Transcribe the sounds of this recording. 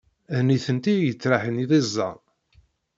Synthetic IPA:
ðniθənt̪ijət͡sːɾaħəniðˤizˤːɑ̰

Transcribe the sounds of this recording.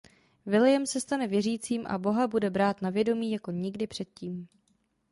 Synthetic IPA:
vɪlɪjɛmsɛst̪anɛvjɛriːt͡siːmʔa̰bo̞ɦabudɛbɾaːt̪navjɛdo̞miːjako̞ɲɪɡdɪpr̝̥ɛt̪̚ciːm

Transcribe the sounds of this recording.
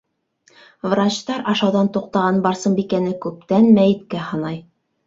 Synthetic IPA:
vrat͡ɕt̪ɑɾɑʃɑwðɑnt̪uq̚t̪ɑʁɑnbɑɾsɤmbikænɘkʉp̚t̪ænmæjɘ̆t̪̚kæhɑnɑj

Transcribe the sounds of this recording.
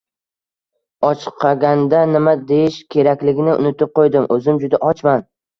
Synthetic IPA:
ɒt͡ʃʰɨ̥qʰːɑɡʲand̪anɪmad̪ejɪʃkʲʰe̞ɾakʲlɪɡʲɪnɪʊ̰nɪt̪ɪp̚qʰojd̪ɪmʔɵzɪmd͡ʒʊd̪aʔɒt͡ʃman

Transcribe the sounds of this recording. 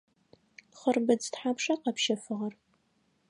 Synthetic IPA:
χərbɨd͡ztħapʰʂaqɑpʃɐfɨʁɐr

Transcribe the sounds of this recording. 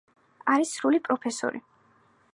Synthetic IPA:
aɾisɾulipʼɾɔpʰɛsɔ̰ɾḭ

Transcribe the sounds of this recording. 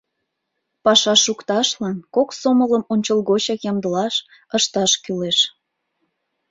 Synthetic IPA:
pɑʃɑʃukt̪ɑʃlɑnkoksomələmonʲt͡ɕəlˠɣot͡ɕɑkjɑmd̪əlɑʃ | əʃt̪ɑʃkyleʃ

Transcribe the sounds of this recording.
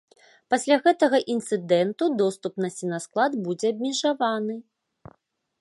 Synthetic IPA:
pasʲlʲaɣɛt̪ɐɣɐʔint̪sɨd̪ɛnt̪ud̪ɔst̪upnɐsʲinɐsklˠad̪bud͡zʲɛɐbʲmʲɛʐavanɨ

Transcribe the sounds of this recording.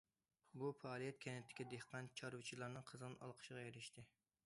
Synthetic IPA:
bufɑːlˠijɛt̪̚kʲʰɛnɛt̪ʰːɪ̥kʲɛd̪ehqʰɑnt͡ʃʰɑɾut͡ʃʰilˠɑɾnɨŋqʰəzɨnɑ̰lˠqʰə̥ʃəʁɑjeɾɪʃt̪ʰɪ

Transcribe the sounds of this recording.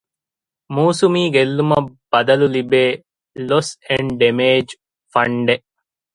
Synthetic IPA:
muːsumiːɡelːumɐb̥ɐd̪ɐlulibeː | loseɳɖɖemeːd͡ʒ | fɐɳɖe

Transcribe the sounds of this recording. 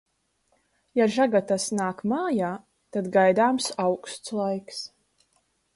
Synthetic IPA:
jaʒaɡat̪asnaːkmaːjaː | t̪ad̪ɡajd̪aːmsawkst̪slˠajks

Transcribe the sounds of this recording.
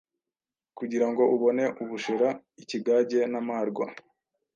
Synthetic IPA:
kuɟiɾaŋɡo̞ʔuβo̞ne̞ʔuβuʃeɾa | iciɡaːɟe̞namaːɾɡwa̰

